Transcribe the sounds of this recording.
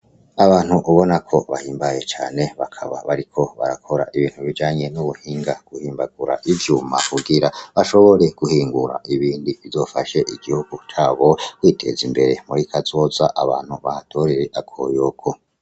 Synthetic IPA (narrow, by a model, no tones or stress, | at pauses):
aβaːnhuʔuβo̞nakʰo̞βahiːmbaje̞t͡ʃaːne̞βakʰaβa̰βaɾikʰo̞βa̰ɾakʰo̞ɾa̰ʔiβiːn̥huβid͡ʒaːɲe̞nuβuhiːŋɡaɡ̥uhiːmbaɡuɾa̰ʔivjuma̰kuɡiɾaβaʃo̞βo̞ɾe̞ɡ̥uhiːŋɡuɾa̰ʔiβiːndiβizo̞faʃe̞ʔiɡihuɡ̥ut͡ʃaːβo̞kwitʰe̞̰zimbe̞ɾe̞muɾikʰazoːzaʔaβaːn̥huβahatʰo̞ɾeɾeʔakʰo̞̰jokʰo̞